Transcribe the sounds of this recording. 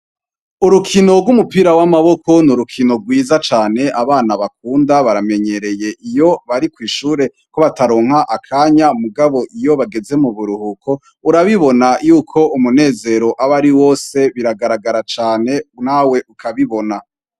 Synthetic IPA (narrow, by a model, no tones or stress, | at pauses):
uɾukʰino̞ɡɡwumupiːɾawamaβo̞ko̞nuɾukʰino̞ɡwiːzat͡ʃaːne̞ʔaβaːnaβak̚uːndaβaɾame̞ɲe̞ɾe̞je̞ʔijo̞βaɾikwiːʃuːɾe̞ | ko̞βataɾo̞ːŋ̥haʔakʰaːɲamuɡaβo̞ʔijo̞βaɡe̞ze̞muβuɾuhukʰo̞ | uɾaβiβo̞najuːkʰo̞umune̞ːze̞ɾo̞ʔaβaɾiwo̞ːse̞βiɾaɡaɾaɡaɾat͡ʃaːne̞naːwe̞ʔukʰaβiβo̞na